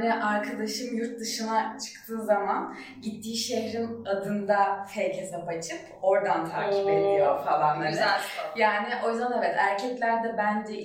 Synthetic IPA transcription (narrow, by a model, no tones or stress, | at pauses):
nɪʔaɾkʰad̪aʃɯmjuɾt̪̚d̪ɯʃɯnat͡ʃʰɯ̥k̚t̪ʰɯːzaman | ɟit̪ʰːiːʃeɦɾinad̪ɯnd̪afɛjcʰezɛpat͡ʃʰɯpʰ | o̞ɾd̪ant̪ʰa̰ːkʰiped̪ijofalˠanˠaɾd̪ajaːnɪʔo̞jzd̪aneɛt̪ʰæɾcʰɛclʲæɾd̪ɛbænd͡ʒɛ